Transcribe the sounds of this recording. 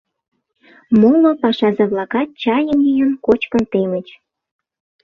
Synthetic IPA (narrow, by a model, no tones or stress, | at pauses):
molopɑʃɑzeβlɑkɑt̪̚t͡ɕɑjənijənkot͡ɕkənt̪emə̆t͡ɕ